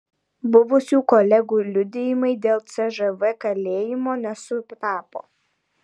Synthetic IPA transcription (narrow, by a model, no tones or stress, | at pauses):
bʊʋʊsʲuːkɔlʲɛɡuːlʲʊd̪ʲejɪmɐɪd̪ʲeːlˠt̪sʲɛʒɛʋɛkɐlʲeːjɪmoːnʲɛsʊpʲt̪ɑːpo̰ː